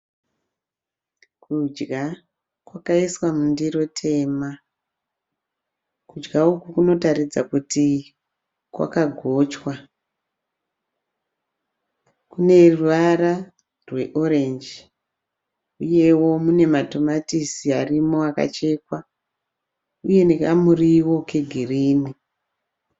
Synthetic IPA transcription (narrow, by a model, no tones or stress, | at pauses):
kʰud͡ʒɡa | kwakaiswamundiro̞tʰe̞ːma | kud͡ʒɡaukukuno̞taɾid͡za̰kuti | kwa̰kaɡʱo̞ːt͡ʃwa | kune̞ruʋaɾa | rwe̞ʔo̞ɾend͡ʒ | uje̞wo̞mune̞mato̞matisiarimo̞aka̰t͡ʃe̞kwa | uje̞nekamuriwo̞ke̞ɡʱiriːni